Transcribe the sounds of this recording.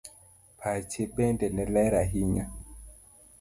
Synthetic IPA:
pʰat͡ʃeɓɛndɛnɛlɛɾaɦiɲa

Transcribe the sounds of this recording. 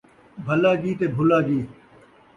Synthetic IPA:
bʱəlaːɡiːt̪eːbʱʊlaːɡiː

